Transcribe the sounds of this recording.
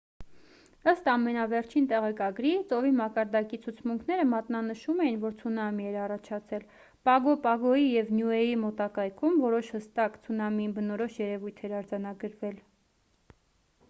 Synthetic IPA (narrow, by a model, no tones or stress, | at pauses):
əst̪ɑmɛnɑvɛɾt͡ʃʰint̪ɛʁɛkɑɡɾit͡sɔvimɑkɑɾd̪ɑkit͡sʰut͡sʰmuŋkʰnɛɾəmɑt̪nɑnəʃumɛjinvɔɾt͡sʰunɑmiɛɾɑrɑt͡ʃʰɑt͡sʰɛl | pɑɡɔpɑɡɔjijɛvnjuɛjimɔt̪ɑkɑjkʰumvɔɾɔʃhəst̪ɑkt͡sʰunɑmibənɔɾɔʃjɛɾɛvujt̪ʰɛɾɑɾd͡zɑn̪ɑɡəɾvɛl